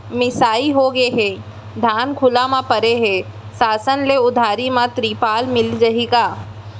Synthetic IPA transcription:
mɪsaːiɦoɡeɦẽ | d̪ʱaːnkʰʊlamãpɐɾeɦɛ̃ | saːsənleʊd̪ʱaːɾimãt̪ɾiːpaːlmɪld͡ʒɐɦiɡaː

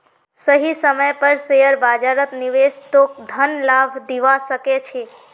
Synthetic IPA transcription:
səɦisəməjpəɾsejəɾbad͡ʒaɾət̪niʋest̪ok̚d̪ʱənlabʱd̪iʋasəket͡ʃʰe

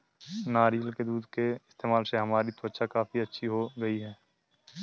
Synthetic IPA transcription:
naːɾijəlked̪uːd̪keɪst̪eːmaːlseɦɐmaːɾit̪ʊwətːʃakaːfiɐtːʃʰiɦoɡɐiɦɛː

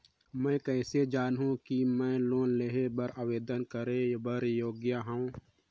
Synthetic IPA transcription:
mɛ̃ːkɛːsed͡ʒaːnɦũkimɛ̃ːloːnleɦebəɾaʋeːd̪ənkəɾebəɾjoːɡjaɦã

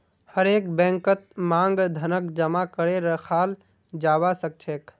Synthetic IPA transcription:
həɾeːkbɛ̃ːŋkət̪̚mãːŋɡd̪ʱənək̚d͡ʒəmakəɾeɾəkʰaːl | d͡ʒaːbasək̚t͡ʃʰeːk

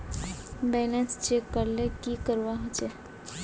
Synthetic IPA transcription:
bɛlənst͡ʃekːəɾlekikəɾʋaɦot͡ʃe

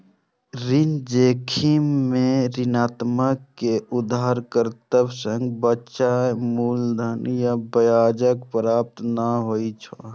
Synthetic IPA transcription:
ɾind͡ʒekʰimːẽɾɪnaːt̪məkːeud̪aɦɾkəɾt̪əbsəŋɡbətːʃamuld̪ʱənjabəjaːd͡ʒəkpəɾaːp̚t̪naɦoit͡ʃʰo

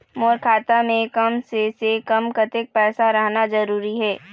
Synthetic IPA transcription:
moːɾkʰaːt̪amẽkɐmsesekɐmkɐt̪ɪk̚pɛːsaɾɐɦnazɐɾuːɾiɦɛː

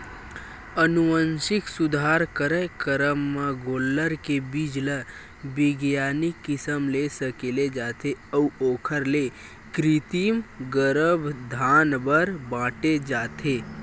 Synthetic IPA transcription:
ənuʋənʃɪksʊd̪ʱaːɾkəɾəjkəɾəmːãɡoːlːəɾkebiːd͡ʒlə | bɪɡjaːnikːɪsəmlesəkeled͡ʒaːt̪eəuoːkʰəɾle | kɾit̪imɡəɾəbd̪ʱaːnbəɾbãːʈed͡ʒaːt̪ʰe

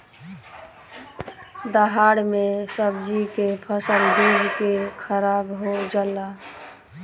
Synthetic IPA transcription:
d̪əɦaɽmesəbd͡ʒikepʰəsəlb̪uɡkekʰəɾabɦod͡ʒala

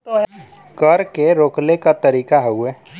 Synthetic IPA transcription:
t̪oɦ | kəɾkeɾoːklekat̪əɾiːkaɦɛuɛː

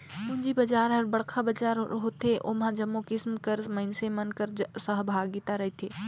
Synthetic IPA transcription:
und͡ʒibəd͡ʒaːɾɦəɾbəɽkʰabəd͡ʒaɾɦot̪eʔo̰mãd͡ʒəmːokɪsmkəɾməɪnsemənkəɾsəɦbʱaːɡit̪aɾəɦit̪ʰe

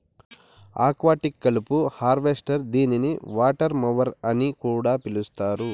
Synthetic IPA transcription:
a̰ːkʋaːʈikːɐlupuhaːɾʋesʈɐɾd̪iːniniʋaːʈɐɾmɐʋɐɾɐnikuːɽaːpilust̪aːɾu

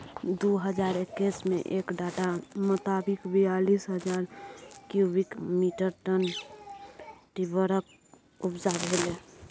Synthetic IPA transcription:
d̪oɦəd͡ʒaːɾekːismḛ̃ʔeːkɖaːʈamʊt̪aːbɪkbijalisɦəd͡ʒaːɾkjubikmiʈəɾʈən | ʈibəɾək̚ | ʊpd͡ʒabɦole

